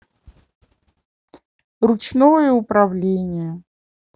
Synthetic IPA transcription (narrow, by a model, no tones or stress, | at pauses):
rʊt͡ʃnojəʊpɾɐvlʲenʲɪjə